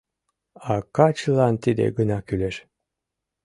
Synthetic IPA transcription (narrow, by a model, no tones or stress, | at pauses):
ɑkɑt͡ɕəlˠɑnt̪id̪ḛɡənɑkyleʃ